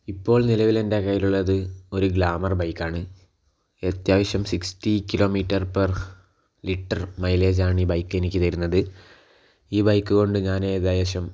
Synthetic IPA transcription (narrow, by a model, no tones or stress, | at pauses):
ipːo̞ːɭnilɐʋile̞nde̞kɐjiluɭːɐðɨo̞ɾuɡɭaːmɐrbɐjkːaːɳɨ | et̪jaːʋɐɕjɐmsikstikilo̞ːmiːtːɐrpɐr | liʈːɐrmɐjle̞ːd͡ʑaːɳiːbɐjkːe̞nikʲːit̪ɐɾunːɐðɨ | iːbɐjkːuɣo̞ɳɖɨɲaːnet̪jaːʋɐɕjɐm